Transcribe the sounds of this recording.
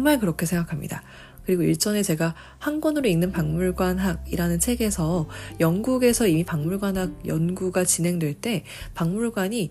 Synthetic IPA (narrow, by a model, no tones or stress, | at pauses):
ŋmaɭkɯɾʌkʰe̞sʰe̞ŋɡakʰamɲḭda̰ | kɯɾiɡoḭɭt͡ɕ͈ʌne̞t͡ɕe̞ɡa | hanɡwʌnɯɾoinnɯnpaŋmuɭɡwanɦaɡiɾanɯnt͡ɕʰe̞ɡe̞sʰʌjʌnɡuɡe̞sʰʌimipaŋmuɭɡwanɦaɡ̚jʌnɡuɡat͡ɕinɦe̞ŋdwe̞ɭt͈e̞ | paŋmuɭɡwaɲi